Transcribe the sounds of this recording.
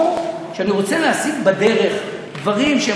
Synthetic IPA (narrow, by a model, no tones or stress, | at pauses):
ʃeaniʁo̞t͡seleasiɡbad̪e̞ʁe̞χ | d̪vaʁimʃe